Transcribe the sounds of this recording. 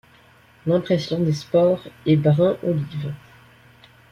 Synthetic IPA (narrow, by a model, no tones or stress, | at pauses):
lɛ̃pχɛsjɔ̃d̪espɔʁɛbʁɛ̃ʔolivʁ